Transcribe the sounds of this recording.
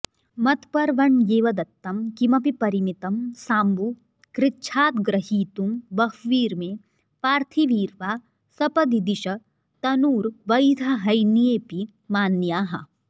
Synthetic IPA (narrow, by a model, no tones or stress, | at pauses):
mɐt̪pɐɾʋɐɳjeːʋɐd̪ɐt̪ːɐmkimɐpipɐɾimit̪ɐmsaːmbu | kɾɪtːʃʰaːt̪ɡɾɐɦiːt̪umbɐɦʋiːɾmẽ | paːɾt̪ʰiʋiːɾʋaː | sɐpɐd̪id̪iʃɐ | t̪ɐnuːɾʋɐjd̪ʱɐɦɐjnijeːpi | maːnjaːɦɐ̰